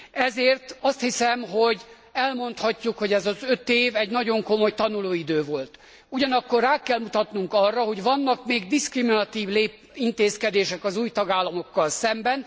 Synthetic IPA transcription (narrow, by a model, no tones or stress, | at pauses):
ɛzeːrt̪ɒst̪hisɛmɦoɟ | ɛlmo̞nt̪hɒcːukho̞ɟɛzɒzøt̪eːvɛɟnɒɟo̞ŋko̞mo̞jt̪ɒnuloːid̪øːvo̞lt̪ | uɟɒnɒkːo̞raːkɛlmut̪ɒt̪nuŋkɒrːɒɦo̞ɟʋɒnːɒkmeːɡd̪iskriminɒt̪iːvleːp | int̪eːskɛd̪eːʃɛkɒzuːjt̪ɒɡaːlːɒmo̞kːɒlsɛmbɛn